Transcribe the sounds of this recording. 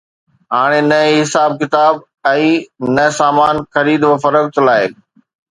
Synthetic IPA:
ɦaːɽ̃enɐeɦɪsaːb̚kɪt̪aːb | ɛ̃ːnɐsaːmaːnxɐɾiːd̪ʋɐfɐɾəkt̪laːɪ

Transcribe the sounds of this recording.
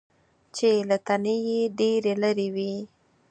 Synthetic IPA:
t͡ʃelat̪anejeɖeɾeləɾewi

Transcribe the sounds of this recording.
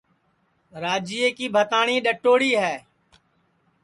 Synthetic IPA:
ɾaːd͡ʒiːeːkiːbʱət̪aːɳiːɗəʈːoːɽiːɦɛː

